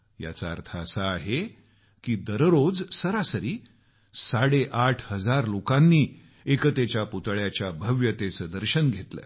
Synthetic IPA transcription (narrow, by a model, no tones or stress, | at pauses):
ja̰t͡sa̰ːɾt̪ʰaːsaːɦe | kiːd̪əɾɾod͡zsəɾasəɾiː | saɽeʔaʈʰhəd͡zaɾlokãnːiː | ekət̪et͡ɕjaput̪ɭjat͡ɕjabʱəʋjət̪esəd̪əɾɕənɡʱet̪la̰